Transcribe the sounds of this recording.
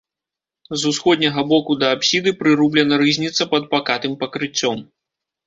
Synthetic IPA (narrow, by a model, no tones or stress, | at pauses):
zusxɔd̪ʲnʲɐɣɐbɔkud̪ɐːpsʲid̪ɨpɾɨɾublʲɛnɐɾɨzʲnʲit̪sɐpɐd̪̚pakat̪ɨmpɐkɾɨt͡sʲːɔm